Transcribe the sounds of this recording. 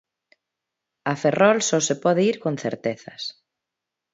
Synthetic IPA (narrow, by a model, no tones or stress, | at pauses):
ɐferɔlsɔsepɔðeiɾkonθḛɾt̪eθɐ̰s